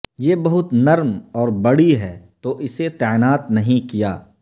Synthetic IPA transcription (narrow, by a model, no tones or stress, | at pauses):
jeːbɐɦʊt̪nɐɾmɔːɾbɐɽiɦɛːt̪oʔɪset̪ɛːɪnaːt̪nɐɦĩkija̰ː